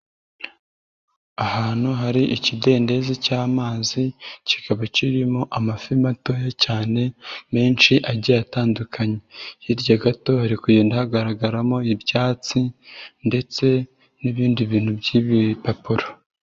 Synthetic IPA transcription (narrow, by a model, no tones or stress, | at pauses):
ahaːn̥huɦaɾiʔicide̞ːnde̞zicaːmaːzicikaβaciɾimoʔamafimato̞jacaːne̞me̞ːnt͡ʃiʔaɟajataːndukʰaɲejiɾɟaɡato̞haɾikujindahaɡaɾaɡaɾamo̞iɾɟaːt͡sinde̞t͡se̞ | niβiːndiβiːn̥hubɟiβipapuɾo